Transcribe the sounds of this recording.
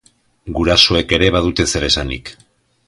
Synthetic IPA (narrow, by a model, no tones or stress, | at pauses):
ɡuɾasoe̞ke̞ɾe̞βað̞ut̪e̞se̞ɾe̞sanḭk